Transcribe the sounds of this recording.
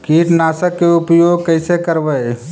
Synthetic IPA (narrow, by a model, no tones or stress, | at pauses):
kiːʈnaːsəkːeʊpjoːɡ̚kəɪsekəɾʋəj